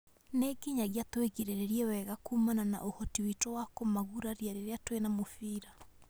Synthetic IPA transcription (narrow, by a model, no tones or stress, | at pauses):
neɡiɲaɣiatweɣeɾeɾeɾiɛwɛɣakumanana̰ʔohɔtiwitowakomaɣuɾaɾiaɾeɾeatwenamofiːɾa